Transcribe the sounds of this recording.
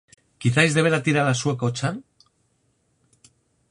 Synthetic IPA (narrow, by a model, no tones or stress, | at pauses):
kiθajzðe̞βe̞ɾat̪iɾalasue̞kaot͡ʃan